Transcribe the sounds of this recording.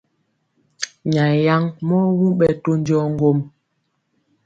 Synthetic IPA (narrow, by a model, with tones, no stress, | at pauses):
ɲa˨ja˦ŋmɔ˦wu˦ɓɛ˨to˦ɲ˦d͡ʒɔ˦ŋ˦ɡo˦m